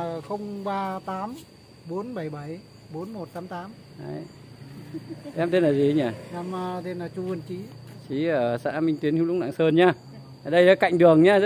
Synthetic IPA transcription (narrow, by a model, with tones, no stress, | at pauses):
xə˧wŋ͡mɓaː˧t̪aː˨˦m | ɓo˨˦nɓa˧˩jɓə˧˩j | ɓo˨˦nmo˨˩t̚t̪aː˨˦mt̪aː˨˦m | ha̰ː˨˧˦j | ʔɛ˧mt̪e˧nlaː˨˩zi˨˩˧ɲaː˨˩ʔɛ˧m˧t̪e˧nlaː˨˩t͡ɕu˧ə˨˩nt͡ɕi˧˨˦t͡ɕi˨˦əː˧˩sa̰ː˧˥mï˧ŋ̟t̪wi˨˦ənhi˧˦lʊ̰˧˥ŋ͡mna̰ː˧˨ŋsəː˧nɲaː˧˩ | ʔa˨˩ɗə˧jlaː˨˦jka̰˧˨jŋ̟ɗɨ˨˩əŋɲaː˧z